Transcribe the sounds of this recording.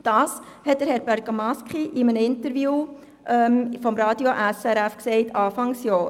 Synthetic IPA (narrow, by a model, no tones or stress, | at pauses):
d̥ɑːs | hɛt̚d̥əɾhɛɾbæɾɡ̥amɑskχiʔɪmənəɪntəɾvjuː | ʔɛmfɔmɾɑːdioʔæsɛɾæfksɛɪtʰɑːfɑŋsjɔː